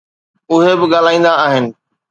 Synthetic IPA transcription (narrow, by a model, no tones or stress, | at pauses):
ʊɦebɪɠaːl̤aːĩːn̆d̪aːɦɪnɪ̆